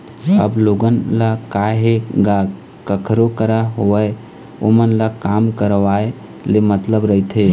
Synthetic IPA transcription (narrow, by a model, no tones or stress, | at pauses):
ə̰bloɡənlakaɦeɡa | kəkʰɾokəɾaɦoəe | o̰mənlakamkəɾʋae | lemət̪ləbɾəɦit̪ʰɦe